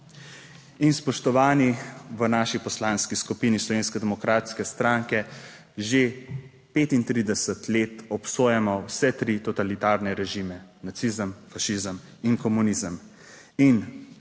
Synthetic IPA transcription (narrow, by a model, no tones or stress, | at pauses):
inspɔʃt̪ɔʋaːniʋənaːʃipɔslaːnskiskupiːnislɔʋeːnskɛd̪ɛmɔkɾaːt̪skɛst̪ɾaːŋkɛ | ʒe | peːt̪int̪ɾiːd̪ɛsət̪leːt̪ɔpsoːjɛmɔwsɛt̪ɾit̪ɔt̪alit̪aːɾnɛɾɛʒiːmɛnat̪sizəmfaʃizəm | inkɔmuniːzəm | in